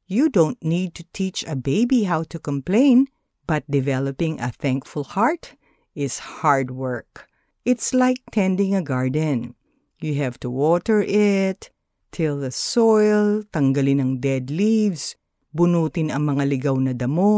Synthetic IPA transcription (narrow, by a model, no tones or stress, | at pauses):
jud̪õʊ̃nt̪nid̪̚t̪ut̪ʰit͡ʃɐbeɪbiɦawt̪ukɔ̃mplẽɪ̃n | b̥ɐt̪̚d̪ɪvɛlɐpɪ̃ŋʔɐ̰θæ̃ŋkfʊlˠhaɹt̪ | ɪshaɹd̪̚wɜ˞k | ʔɪt̪slaɪk̚t̪ʰɛ̃nd̪ɪ̃ŋɐɡaɹd̪ɛ̃n | jɨɦɛv̥t̪uwɔt̪ɛɹʔɪt̪ʰː | ɪlˠðɐsɔjlt̪ɐŋɡɐlɪnɐŋd̪ɛd̪livs | bʊnuːt̪ɪnɐŋmɐŋalɪɡawnɐd̪ɐmo